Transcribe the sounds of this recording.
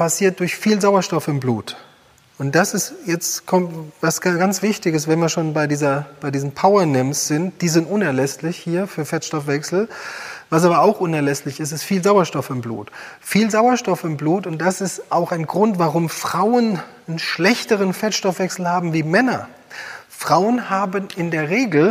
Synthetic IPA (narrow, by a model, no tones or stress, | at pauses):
pasiːɐt̚d̥ʊɐçfiːlzaʊɐʃtɔfɪmbluːt | ʔʊnt̚d̥asɪstjɛt͡stkʰɔmvasɡant͡sv̥ɪçtɪçəs̬v̥ɛnviːɐʃoːnbaɪdiːzɐb̥aɪdiːzəm̩pʰaʊɐnɛmsz̥ɪnt̚d̥iːzɪntʔʊnɛɐlɛslɪçhiːɐfyːɐfɛɐtʃtɔfv̥ɛksl̩vasaːbɐaʊxʔʊnɛɐlɛslɪçɪs̬tɪstfiːlzaʊɐʃtɔfɪmblṵːtfiːlzaʊɐʃtɔfɪmbluːtʊnt̚d̥asɪstaʊxaɪnɡʁʊntv̥aʁʊmfʁ̥aʊən | ənʃlɛçtəʁənfɛɐtʃtɔfv̥ɛksl̩haːbm̩viːmɛnɐ | fʁ̥aʊənhaːbənɪndeːɐʁeːɡl̩